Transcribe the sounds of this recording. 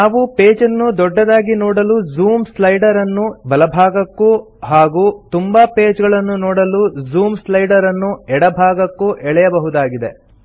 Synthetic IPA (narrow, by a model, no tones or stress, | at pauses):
naːʋupeːd͡ʒɐnːud̪ɔɖːɐd̪aːɡinɔːɽɐluzuːmslɐjɖɐɾɐnːubɐlɐbʱaːɡɐkːu | ɦaːɡut̪umbɐpeːd͡ʒɡɐɭɐnːunɔːɽɐluzuːmslɐjɖɐɾɐnːuɛɽɐbʱaːɡɐkːuʔɛɭɛjɐbɐɦud̪aːɡid̪e̞̰